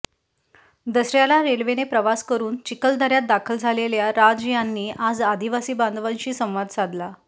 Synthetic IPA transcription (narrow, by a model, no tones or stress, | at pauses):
d̪əsɾjalaɾelʋenepɾəʋaskəɾuːnt͡ɕikəld̪ʱəɾjat̪̚d̪akʰəld͡zʱaleljaɾad͡zjanːiːʔad͡zad̪ʱiʋasiːband̪ʋãɲɕiːsə̃w̃ʋad̪sad̪la